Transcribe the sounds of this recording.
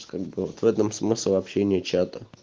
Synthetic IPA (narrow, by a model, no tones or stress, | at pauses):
kaɡ̚bɨvot̪vɛt̪əmsmɨslʲɪvɐpɕenʲɪt͡ɕat̪ə